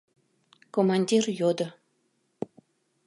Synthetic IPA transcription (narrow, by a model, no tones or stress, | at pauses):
komɑnʲdʲirjod̪ə̆